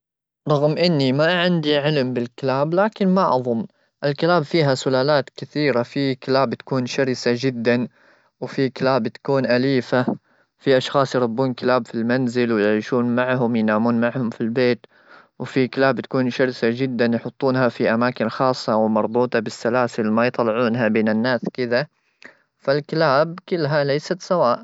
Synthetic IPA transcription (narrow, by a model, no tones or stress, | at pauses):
ɾˤɑɣmʔɪnːimaʕɪnd̪iʕɪlmbɪlkɪlaːblaːkɪnmaʔɑðˤʊmː | ʔɪlkɪlaːbfiːɦasʊlaːlaːt̪kɪθiːɾafikɪlaːbt̪ḁkuːnʃɑɾsad͡ʒɪd̪ːan | wfikɪlaːbt̪ḁkuːnʔaliːfa | fiʔɑʃxɑːsˤjɾˤʊbːuːnkɪlaːbfilmanzɪlwjɪʕiːʃuːnmaʕhʊmjnaːmuːnmaʕhʊmfilbeːt̪ | wfikɪlaːbt̪ḁkuːnʃɑɾsad͡ʒɪd̪ːanjħʊt̪ˤːuːnhafiʔamaːkɪnxɑːsˤːɑwɪmɑɾˤbuːt̪ˤɑbɪsːalaːsɪlmajt̪ˤɑlɪʕuːnɦabeːnɪnːaːskɪd̪a | falkɪlaːb̚kɪlːɦalejsat̪sawaːʔ